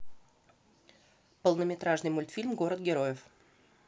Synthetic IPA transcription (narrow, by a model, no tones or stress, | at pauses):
pəlˠnəmʲɪt̪ɾaʐnɨjmʊlʲt̪fʲilʲmɡo̞ɾəd̪̚ɡʲɪɾo̞jɪf